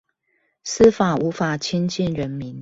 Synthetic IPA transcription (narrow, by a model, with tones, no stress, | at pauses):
s̩˦fa˨˩u˧˥fa˨˩t͡ɕʰi˦nt͡ɕi˥˨nɻə˨˦nmi˨˦n